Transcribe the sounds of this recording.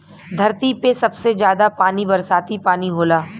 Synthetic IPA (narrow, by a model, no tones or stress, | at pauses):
d̪ʱɐɾt̪ipesɐbsezjaːd̪apaːnibɐɾsaːt̪ipaːniɦoːlaː